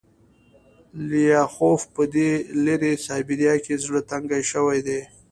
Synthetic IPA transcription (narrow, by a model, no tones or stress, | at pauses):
lijɑxofpəd̪eleɾesɑbɪɾjɑkezɽət̪aŋɡajʃəwajd̪e